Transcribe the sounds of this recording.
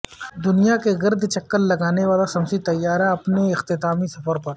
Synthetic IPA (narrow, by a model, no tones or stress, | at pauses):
d̪ʊnijakeɡɐɾd̪ʱt͡ʃɐkːəlːɐɡaːneʋaːlasɐmsit̪ɐjːaːɾaɐpneɪxt̪ɪt̪aːmisɐfəɾpɐɾ